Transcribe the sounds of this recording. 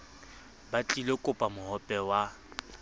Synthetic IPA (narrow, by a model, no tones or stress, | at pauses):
bat͡ɬʼilekʼʊpʼamʊɦɔpʼɛwa